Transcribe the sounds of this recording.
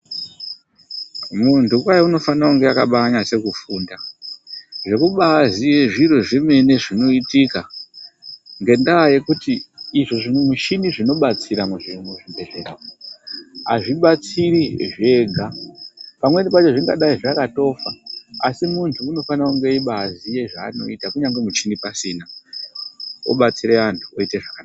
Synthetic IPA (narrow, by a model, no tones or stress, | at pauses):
muntʰukwajouno̞fanauŋɡeakaɓaːɲase̞kufuːnda | ʐe̞kuɓazieʐiɾo̞ʐime̞ne̞ʐino̞itika | ŋɡe̞ndaaje̞kutiːʐoʐimuʃiniʐino̞ɓat͡siɾameʐimuʐimbʱe̞ʐe̞ra | aʐiɓat͡siɾiʐe̞ɡʱapamwe̞nipat͡ʃo̞ʐiŋɡaɗaiʐakato̞faasimuntʰuːno̞fanakuŋɡe̞iɓaazije̞ʐaːno̞̰itakuɲaŋɡemut͡ʃinipasiːna | o̰ɓat͡siɾeʋantʰu̥oiteʐakanaa